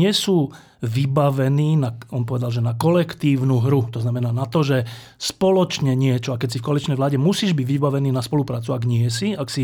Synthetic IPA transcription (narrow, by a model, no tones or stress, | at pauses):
ɪɛsuː | ʋibaʋɛniːnaɔmpɔʋɛd̪alʒɛnakɔlɛkt̪iːʊnuɦɾut̪ɔznamɛnaːnat̪ɔʒɛ | spɔlɔt͡ʃɲɛɲɪɛt͡ʃɔakɛcsifkɔalit͡ʃnɛjʋlaːɟɛmusiːʒbiɟʋibaʋɛniːnaspɔlupɾaːt͡suaɡɲɪɛsiaksi